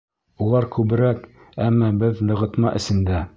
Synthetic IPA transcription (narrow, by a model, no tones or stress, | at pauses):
ulˠɑɾkʉβɘ̆ɾæk | æmːɑbɘðlɤ̆ʁɤ̆t̪mɑʔɘ̆sɘ̆nd̪æ